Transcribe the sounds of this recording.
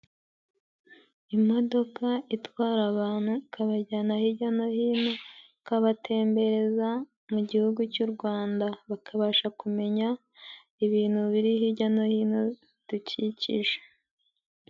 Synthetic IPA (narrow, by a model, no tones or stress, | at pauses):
imo̞do̞kaitwaːɾaβaːn̥hukaβaɟaːnahiɟano̞hiːno̞ | kaβatʰe̞ːmbe̞ɾe̞za | muɟihuɡucuɾɡwaːndaβakʰaβaʃakume̞ɲa | iβiːn̥huβiɾihiɟanohiːno | d̥ucicḭʒe̥